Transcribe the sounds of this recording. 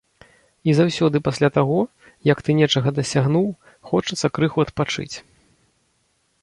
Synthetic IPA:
izawsʲɔd̪ɨpasʲlʲat̪aɣɔ | jɐkt̪ɨnʲɛt͡ʂɐɣɐd̪ɐsʲaɣnuw | xɔt͡ʂɐt̪sːɐkɾɨxuɐt̪pat͡ʂɨ̰t͡sʲ

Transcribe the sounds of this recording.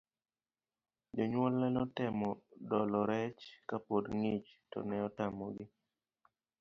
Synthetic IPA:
d͡ʒɔɲwɔlːɛnɔtɪmɔdɔlɔɾɛt͡ʃkapodŋit͡ʃtɔ̰nɛɔtamɔɡɪ

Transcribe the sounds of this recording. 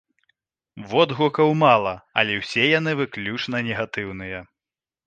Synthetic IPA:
vɔd̪ɣukɐwmalˠɐɐ̰lʲɛwsʲɛjanɨvɨklʲut͡ʂnɐnʲɛɣat̪ɨwnɨjɛ

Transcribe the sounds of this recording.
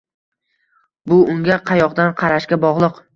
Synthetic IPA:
bʊʊŋɡʲaqʰɑjɒqd̪anqʰɑɾaʃkʲabɒʁlˠɨq

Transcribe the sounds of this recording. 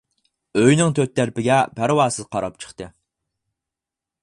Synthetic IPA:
øjnɪŋt̪ʰøt̪ːæɾpɪɡʲɛpʰæɾwɑːsɨzqʰɑɾɑp̚t͡ʃʰə̥χt̪ɨ

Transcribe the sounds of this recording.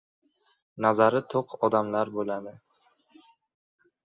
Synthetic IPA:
nazaɾɪt̪ʰoqɒd̪amlaɾbolad̪ɪ

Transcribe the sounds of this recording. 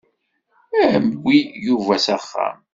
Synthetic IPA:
æʕmɡʷːijuvæsæχːæ̰m

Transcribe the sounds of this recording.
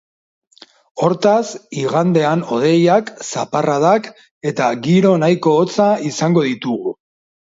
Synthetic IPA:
o̞ɾt̪asiɣand̪e̞ano̞ð̞e̞jaksaparaðak | e̞t̪aɡiɾo̞najko̞ːt͡saisaŋɡo̞ð̞it̪uɣu

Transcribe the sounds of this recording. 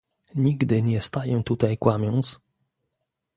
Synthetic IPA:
ɲiɡd̪ɘɲɛst̪ajɛt̪ut̪ajkwamʲjɔnt̪s

